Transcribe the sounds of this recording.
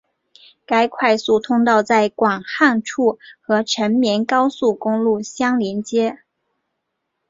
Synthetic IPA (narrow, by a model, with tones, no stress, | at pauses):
ka˥ɪkʰwa˥˧ɪsu˥˩t̪ʰʊ˥ŋt̪ɑ˥˧ʊt͡sa˥˩ɪkwɑ˨˩ŋxa˥˧nʈ͡ʂʰu˥˩xɤ˧˥ʈ͡ʂʰə˧˥nmjɛ˧˥nkɑ˥ʊsu˥˩kʊ˥ŋlu˥˩ɕjɑ˥ŋljɛ˧˥nt͡ɕjɛ˥